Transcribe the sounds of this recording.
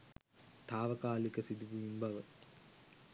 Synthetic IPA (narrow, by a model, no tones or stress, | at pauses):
t̪aːʋɐkaːlikəsid̪uʋuimbaʋə